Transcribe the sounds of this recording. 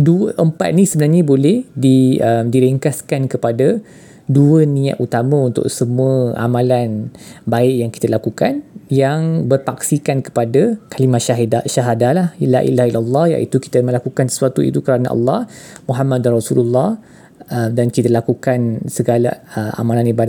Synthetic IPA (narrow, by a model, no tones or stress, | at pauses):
duəʔəmpa̰t̪̚nĩsəbənarɲabolɛhdiəmdiɾiŋkaskankəpada | duənĩa̰ʔ̪ut̪amãunt̪ʊ̰ksəmuəʔa̰mãlanbaɪʔjaŋki̥t̪alakukanjaŋbərfaksikankə̥padakalimaʃaɦaʃaɦadalahla̰ʔḭlahilalːɑhja̰ʔit̪uki̥t̪əmə̃lakukansə̥suat̪uḭt̪ukəɾana̰ʔa̰lːɑhmuɦamad̪̚anrɔsululːɑh | əmdankit̪alakukansəɡalaəmʔa̰mãlanibada